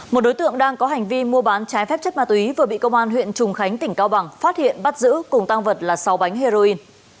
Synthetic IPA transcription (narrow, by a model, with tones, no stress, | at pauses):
mo˨˩t̚ɗo˨˦jt̪ɨ̰˧˨əŋɗaː˧ŋkɔ˨˦ɦa˨˩jŋ̟vi˧mu˧əɓaː˨˦nt͡ɕaː˨˦jfɛ˦˥p̚t͡ɕə˦˥t̚maː˧˩u˨˩i˨˦vɨ˨˩əɓḭ˧˨kə˧wŋ͡mʔaː˧nhwḭ˧˨ənt͡ɕʊ˨˩ŋ͡mxa˨˦jŋ̟t̪ï˧˩ŋ̟kaː˧wɓa˨˩ŋfaː˦˥t̚hḭ˧˨ənɓa˦˥t̚zɨ̰˧˥kʊ˨˩ŋ͡mt̪a˧ŋvə˨˩t̚laː˨˩sa˨˦wɓa˨˦jŋɦe˧zo˧ʔi˧n